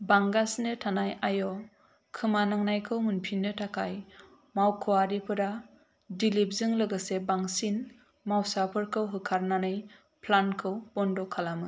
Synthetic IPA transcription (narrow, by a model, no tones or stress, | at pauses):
baŋɡasnɯtʰanajajɔ | kʰɯmanaŋnajkʰɯwmunpʰinːɯtʰakʰaj | mawkʰɯwaɾipʰɯɾa | dilip̚zɯŋlɯɡɯsebaŋsin | mawsapʰɯɾkʰɯwɦɯkʰaɾnanɯj | pʰlankʰɯwb̥ɔndɔkʰalamɯ